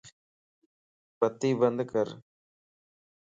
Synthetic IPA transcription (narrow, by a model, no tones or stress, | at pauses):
bɐt̪ːiʋɐnd̪ɯkɐɾ